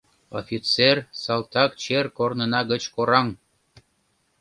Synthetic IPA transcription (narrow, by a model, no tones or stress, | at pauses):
o̰fʲit͡sersɑlt̪ɑkt͡ɕerkornənɑɣət͡ɕkoɾɑŋ